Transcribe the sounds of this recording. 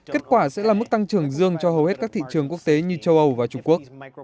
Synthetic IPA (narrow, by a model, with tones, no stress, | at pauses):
ke˦˥t̚kwaː˧˩sɛ̰˧˥laː˨˩mɨ˦˥k̚t̪a˧ŋt͡ɕɨ˨˩əŋzɨ˧əŋt͡ɕɔ˧ɦə˨˩whe˦˥t̚kaː˦˥k̚t̪ʰḭ˧˨t͡ɕɨ˨˩əŋku˦˥ək̚t̪e˨˦ɲɨ˧t͡ɕə˧wʔə˧wvaː˨˩t͡ɕʊ˧ŋ͡mŋku˦˥ək̚